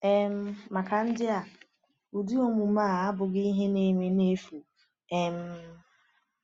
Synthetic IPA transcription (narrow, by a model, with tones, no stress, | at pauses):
e˨m̩˦ma˨ka˨n̩˦dɪ˦a˨ | u˨di˦o˦˨mu˨maː˦˨a˦bʊ˨ɡi˦ɦe˦ne˦me˨ne˦fu˨ | e˨m̩˨˦